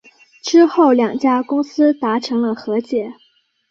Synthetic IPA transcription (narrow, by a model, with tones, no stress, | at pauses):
ʈ͡ʂɻ̩˥xo˥˩ʊljɑ˨˩ŋt͡ɕja˥kʊ˥ŋsɹ̩˥t̪a˧˥ʈ͡ʂʰɤ˧˥ŋlə˧xɤ˧˥t͡ɕjɛ˧˥˦